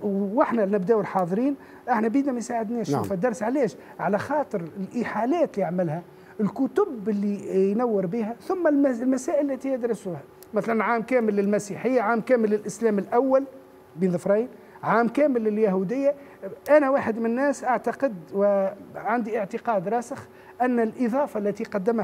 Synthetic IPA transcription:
wɪħnælnɪbd̪æːʔwɪlħɑːðˤɾiːn | ʔaħnæbiːd̪næmæjsaːʕɪd̪nɛːʃufæd̪ɑɾˤsʕalɛːʃ | ʕalæxɑːt̪ˤɨɾɪlʔiħaːlæːt̪lijaʕmɪlhæ | ɪlkʊt̪ʊbɪlːijnawːɪɾbiːɦæθʊmːællmæsæːʔɪlːæt̪ijɪd̪ɾɑsʊhæ | mɪθlænʕaːmkæːmɪlːɪlmæsiːħɪjːaʕaːmkæːmɪlːɪlʔɪslæːmɪlʔawːal | biːnðˤəfɾˤɑjn | ʕaːmkæːmɪlːɪljaɦud̪ɪjːaʔænæwaːħɪd̪mɪnnːɛːsʔaʕt̪ɑqəd̪wɪʕand̪iʔəʕt̪əqɑːd̪ɾˤɑːsəx | ʔænːɪlʔɪðˤɑːfɑlːæt̪iqɑd̪ːɪmh

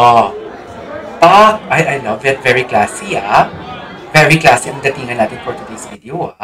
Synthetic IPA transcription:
ʔo | pɐt̪̚ʔajʔɐjlɐvɛt̪̚vɛɹiklaːsia | vɛɹiklaːsiʔɐŋd̪ɐt̪iːŋɐnaːt̪ɪnpɔɹt̪ʊd̪esvid̪eoa

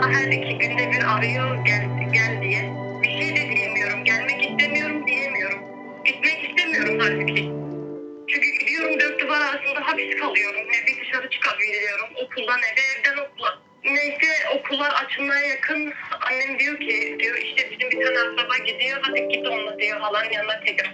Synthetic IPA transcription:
ɦæɾd̪ecʰiɟynd̪ɛbiɾaɾajɯɟɛlʲɟælʲd̪ijɛbiʃejd̪ɛd̪ijemijo̞ɾumɟælʲmɛcist̪ʰemijo̞ɾumd̪ijemijo̞ɾum | ɟit̪mɛcist̪ʰemijo̞ɾumt̪ʰaɾd͡ʒ̪ʰɯkʰi | t͡ʃʰyɲcyɟid̪ijo̞ɾumd̪øɾ̚d̪yvaɾaɾasɯnd̪aɦabisi̥kʰalˠɯjo̞ɾumnɛb̪id̪ɯʃaɾɯt͡ʃʰɯ̥kapved̪ilʲijo̞ɾumokʰulˠd̪anɛbɛɛvd̪ɛno̞kʰulˠːa | nejsɛo̞kʰulˠːaɾat͡ʃʰɯlˠmajajakʰɯnanːɛmd̪ijo̞cʰid̪ijoʔiʃt̪ʰɛbizimbit̪ʰanasabaɟid̪ijod̪at̪ɯk̚ɟid̪ionˠmad̪ɯjafalˠanjanat̪ʰelʲiɾ

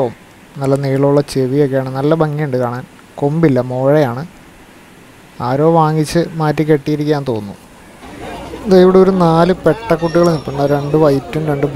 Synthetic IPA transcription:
oːm | nɐlːɐniːɭuɭːɐt͡ɕeʋijo̞kːejaːɳɨnɐlːɐbɐŋːijuɳɖɨkaːɳaːn | kombilːɐmo̞ːɻejaːɳɨ | aːɾo̞ːʋaːŋːit͡ɕːɨmaːtːike̞ʈːijiɾikʲːjaːnt̪o̞ːnːu | ðaiʋiɽeo̞ɾunaːlɨpe̞ʈːɐkːuʈ̬ːiɣɐɭnipːuɳɖaɾe̞ɳɖɨʋɐjitːumɾe̞ɳɖɨb

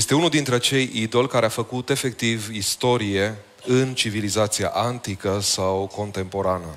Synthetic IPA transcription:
jest̪e̞unuld̪int̪ɾeat͡ʃe̞jid̪o̞lʲkaɾeafəkut̪e̞fe̞k̚t̪ivist̪o̞ɾije̞ | ɨnt͡ʃivilizat̪sia̰ʔant̪ikəsawko̞nt̪e̞mpo̞ɾanə

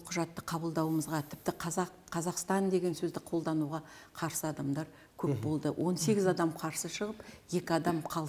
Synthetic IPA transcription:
lˠqʰʊʒɑt̪ːəqʰɑbəlˠd̪ɑwəməzʁɑt̪ʰɪp̚t̪ɪqʰɑzɑqqʰɑzɑqst̪ɑnd̪e̞ɡʲe̞nsɵzd̪ɪqʰo̞lˠd̪ɑnuʁɑqʰɑɾsəɑd̪ɑmd̪ɑɾ | kʲʰɵp̚bo̞lˠd̪əwʔo̞nse̞ɡʲɪzɑd̪ɑmqʰɑɾsəʃəʁəpje̞kʲɪɑd̪ɑmqʰɑlˠ

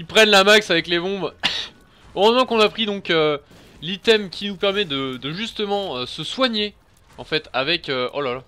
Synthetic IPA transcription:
ilpχɛnlamaksavɛklebɔ̃b | oʁəzmɑ̃kɔ̃napχid̪ɔ̃kø | lit̪ɛmkʲʰinupɛʁmɛd̪əd̪əʒyst̪əmɑ̃øsəswaɲe | ɑ̃fɛt̪avɛkøʔo̰lala

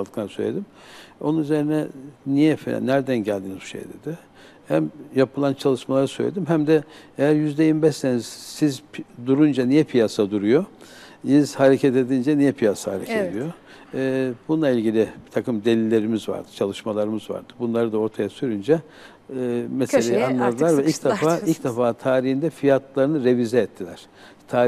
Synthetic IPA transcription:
d̪ɯklˠaɾɯsø̰jlʲed̪im | o̞̰nunyze̞ɾinɛnijɛfḛnːæɾd̪ænɟælʲd̪iːnizbu̥ʃḛjd̪ed̪ɪ | hæmjapʰɯlˠant͡ʃʰalˠɯʃmalˠaɾɯsø̰jlʲed̪imɦæmd̪ɛejæɾjyzd̪ejimbɛʃseniz̥sizd̪uɾund͡ʒanijɛpʰijasad̪uɾujojizhaɾecʰɛt̪e̞d̪ind͡ʒɛnijɛpʰijasahaɾḛcʰed̪ijo̞ | bunˠailʲɟilʲɪbit̪ʰakɯmd̪e̞lʲilʲːe̞ɾimizva̰ɾd̪ɯ̥t͡ʃʰalˠɯʃmalˠaɾɯmɯzva̰ɾd̪̥ɯbunlˠaɾɯd̪ao̞ɾt̪ʰajasyɾynd͡ʒɛ | mɛselʲejianlˠad̪ɯlˠaɾvɛilʲcd̪efaːilʲcd̪ɛfaːt̪ʰaːɾiɦhind̪ɛfijat̪lˠaɾɯnɯɾevizɛːt̪ʰːilʲæɾ̥ | t̪ʰaː

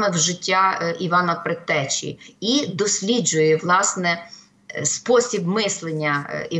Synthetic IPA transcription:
mɪwʒɪtʲːaiʋɑnɐpɾet̪ɛt͡ʃʲḭid̪ɔsʲlʲid͡ʒʊjɛʋlˠɑsnɛ | spɔsʲibmɪslˠenʲːɐi

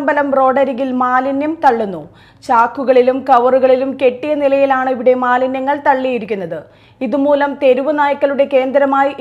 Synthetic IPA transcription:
mbɐlɐmro̞ːɖɐɾiɣilmaːlinjɐmt̪ɐɭːunːu | t͡ɕaːkːuɣɐɭilumkɐʋɐruɣɐɭilumke̞ʈːijɐnilɐjilaːɳɨiʋiɽe̞maːlinjɐŋːɐɭt̪ɐɭːijiɾikʲːunːɐðɨ | iðumuːlɐmt̪e̞ɾuʋɐnaːjɐkːɐluɽe̞ke̞ːnd̪ɾɐmaːjiʔ

